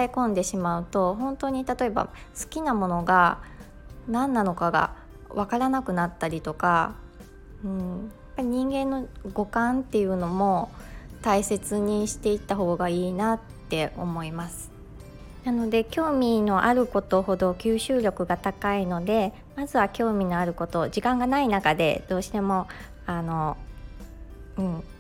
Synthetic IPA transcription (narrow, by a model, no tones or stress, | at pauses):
aekõ̞nd̪e̞ɕimaɯ̟t̪o̞ɦõ̞nt̪o̞ɲ̟it̪at̪o̞e̞ba̰sɨ̥kʲinamo̞no̞ɡa | nãnːano̞kaɡa̰ | βakaɾanakɯ̟nat̪ːaɾʲit̪o̞ka | ɯ̟̃ɴjaapːaɾʲiɲ̟ĩŋɡẽ̞nːo̞ɡo̞kãnt̪ːe̞jɯ̟no̞mo̞t̪aise̞t͡sɨɲ̟iɕi̥t̪e̞it̪ːaɦo̞ːɡaiːnat̪ːe̞ʔo̞̰mo̞imasɨ̥ | nano̞d̪e̞kʲo̞ːmʲino̞ʔaɾɯ̟ko̞t̪o̞ho̞d̪o̞kʲɨːɕɨːɾʲo̞kɯ̟ɡat̪akaino̞d̪e̞ | mazɨβakʲo̞ːmʲino̞aɾɯ̟ko̞t̪o̞ʑikãŋɡanainakad̪e̞̰d̪̥o̞ːɕi̥t̪e̞mo̞ | ano̞ | ɯ̟̃ɴ